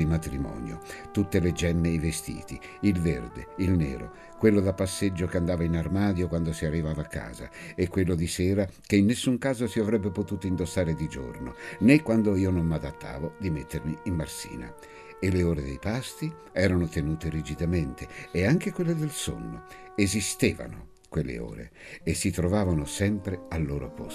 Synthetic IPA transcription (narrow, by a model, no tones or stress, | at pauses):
imat̪ɾimɔ̰ːnjo̰t̪ut̪ːeled͡ʒɛmːeivest̪ḭːt̪i | ilverd̪ḛilnḛːɾo̰ | kwelːod̪apːasːed͡ʒːokeand̪aːvainarmaːd̪jokwand̪osiarːivaːvakːa̰ːza̰ekːwelːod̪isɛːɾakeinːesːuŋkaːzosiavɾɛbːepot̪uːt̪oind̪osːaːɾed̪id͡ʒo̰rnonekːwand̪oiːonommad̪at̪ʰːa̰ːvod̪imet̪ːermiimːarsḭːna̰ | elːeoːɾed̪ḛjpast̪i | ɛːɾanot̪enuːt̪eɾid͡ʒid̪ament̪ʰeːaŋk̟ekwelːed̪elso̰nːo̰ | ezist̪eːva̰no̰ | kwelːḛo̰ːɾḛ | esːit̪ɾovaːvanosɛmpɾealːoːɾoa̰pːo̰s